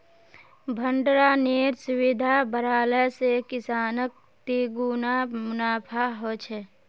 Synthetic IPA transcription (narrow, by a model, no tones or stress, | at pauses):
bʱəɳɖɾaneːɾsʊwɪd̪ʱabəɾaːləsekɪsaːnək̚ | t̪iɡuːnamʊnaːpʰaɦot͡ʃʰɛ